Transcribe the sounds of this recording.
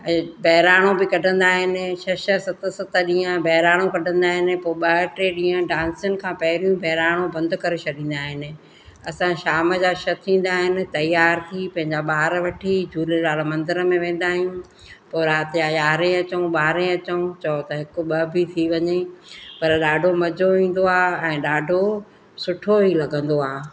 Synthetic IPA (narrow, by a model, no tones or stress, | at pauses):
bʱɐɦɪɾaːɽ̃obɪkɐɖʱə̃nd̪aːɦɪnɪ̆ʃɐʃəsɐt̪ə̆sɐt̪ə̆ɗĩːə̃bɐɦɪɾaːɽ̃õkɐɖʱə̃nd̪aːɦɪnɪ̆poːɓɐɦʈeɗĩːə̃ɖãːnsjʊnɪ̆kʰãːpɐɦɪɾijũbʱɐɦɪɾaːɽ̃õbɐ̃nd̪kɐɾet͡ɕʰɐɗĩːnd̪aːɦɪnɪ̆ | ɐsãʃaːmə̆d͡ʑaːʃɐt̪ʰĩːn̆d̪aːɦɪnɪ̆t̪ɐjaːɾt̪ʰipɐ̃ɦɪ̃ɲd͡ʑaɓaːɾʋɐʈʰid͡ʑʱuːlelaːlmɐ̃nd̪ɪɾəmẽʋẽːn̆d̪aːɦijũ | poːɾaːt̪ɪjajaːɾẽɐt͡ɕəũɓaːɾẽɐt͡ɕəũt͡ɕɐot̪ɐɦɪkʊ̆ɓɐbɪt̪ʰiʋɐɲepɐɾɗaːɖʱomɐd͡ʑʱoʋĩːn̆d̪oaːɛ̃ːɗaːɖʱo | sʊʈʰoɦilɐɡʱə̃nd̪oaː